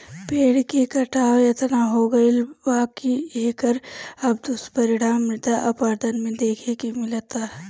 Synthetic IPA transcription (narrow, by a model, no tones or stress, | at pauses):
peːɽkekɐʈaːʋjɐt̪naɦoːɡɐilbaːkieːkəɾɐb̚d̪ʊspɐɾɪɽaːmːɾɪt̪aʔɐpaːɾd̪ənmẽd̪eːkʰekimɪlt̪a